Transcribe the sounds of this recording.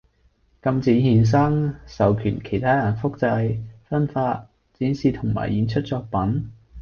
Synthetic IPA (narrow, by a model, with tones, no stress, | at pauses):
kɐ˧mt͡siː˨˥hiː˨˩ns̬ɐ˥ŋsɐ˨wkʰyː˨˩nkʰe˨˩jt̪ʰaː˥jɐ˨˩nfʊ˥k̚t͡sɐ˧jfɐ˥nfaː˧t̚ | t͡siː˨˥nsiː˨˧t̪ʰʊ˨˩ŋma̰ː˨˩jjiː˨˥nt͡ʃʰɵ˥t̚t͡sɔː˧k̚pɐ˨˥n